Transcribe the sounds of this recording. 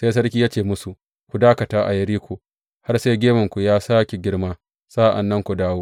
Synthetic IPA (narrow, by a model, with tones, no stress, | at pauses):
se˦js̬ɐ˦ɽkʲiː˦jaː˦t͡ʃeː˨mʊ˦su˨ | kʷu˨daː˦kɐ˨taː˦ʔa̰˨jɐ˦ɽiː˦kʷu˨ | ha˦rse˦jɡʲeː˦mɐ˨ŋkʷu˨jaː˦saː˦kʲe˨ɡʲɪ˦ɽmaː˦ | saː˦ʔa̰˨nːɐ˦ŋkʷu˨daː˦woː˦